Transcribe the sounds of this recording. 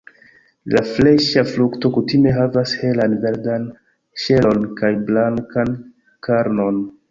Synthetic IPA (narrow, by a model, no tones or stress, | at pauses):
lafle̞ʃaflukto̞kutime̞ɦavashe̞lanve̞ɾdan | ʃe̞lo̞nkajblaŋkan | kaɾno̞n